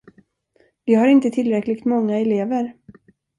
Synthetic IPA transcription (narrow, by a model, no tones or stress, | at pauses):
vɪhaɾɪnt̪ət̪ʰɪlːɾɛklɪɡ̚t̪mɔŋːaɛleːvəɾ